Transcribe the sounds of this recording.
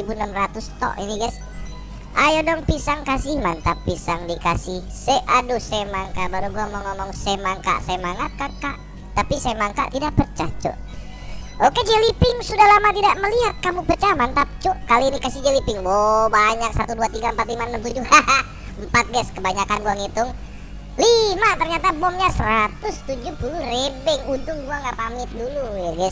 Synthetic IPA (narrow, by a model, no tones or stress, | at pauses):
ibunamrat̪ust̪ɔ̰ʔḭniɡas | ʔajɔdɔŋpisaŋkasihmant̪apːisaŋdikasih | seʔadusemaŋkabaɾuɡuamɔŋɔmɔŋsemaŋka̰ʔsajmaŋat̪̚kakaʔ | t̪apisamaŋka̰t̪idaʔpərt͡ʃaht͡ʃɔ̰ʔ | ʔoked͡ʒɛlipɪŋsudahlamat̪idaʔməliat̪̚kamupərt͡ʃamant̪ap̚t͡ʃɔʔkaliinikasid͡ʒɛlipɪŋbɔbaɲak̚sat̪uduat̪iɡampat̪̚limanəmt̪ud͡ʒuha | əmpat̪̚ɡɛskəbaɲakanɡuaŋit̪ʊŋ | limat̪ərɲat̪abɔmɲasəɾat̪ʊst̪ud͡ʒuhpulurebɛŋunt̪ʊŋɡuaŋɡapamɪt̪̚dulujaɡɛs